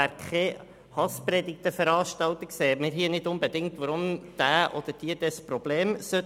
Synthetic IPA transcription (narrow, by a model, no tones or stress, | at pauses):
æɾkʰe | hɑspɾɛdɪk̚t̪əfəɾɑːʃtɑwt̪əkseːmɪɾɦiənɪdʊnbed̪ɪŋ̚tʋɔɾʊmd̥æːʔɔd̪̥əd̥iəd̥ɛspɾɔb̥leːmsø